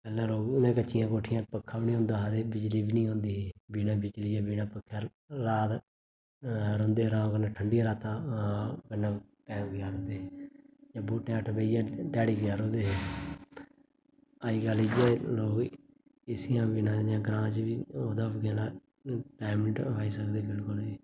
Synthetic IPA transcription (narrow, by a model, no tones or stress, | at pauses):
pɛːlãːɾoːɡʊnẽːkət͡ʃːɪjãːkoːʈʰɪjãːpəkʰːãːbinĩɦõːnd̪aːɦad̪eːbɪd͡ʒliːbiːnĩːɦõːnd̪iːɦebiːnãːbɪt͡ʃliːjaːbiːnãːpəkʰːɛː | ɾaːt̪ | ɾõːnd̪eːɾãːõkənːãːʈʰəɳɖɪjãːɾaːt̪ãːkənːãː | pɛ̃ːɡɪaːɾõːnd̪eːd͡ʒãːbuːʈːẽːəʈʰbeːijãːɖɛːɽiːɡɪaːɾõːd̪eːɦeː | aːiːɡəlid͡ʒeloːɡ | ɪsɪjãːbiːnãːd͡ʒãːɡɾãːd͡ʒʋiːoːd̪aːɡɛ̃ːlaː | ʈaːməʈɦaːiːsəkd̪eːbɪlkʊliː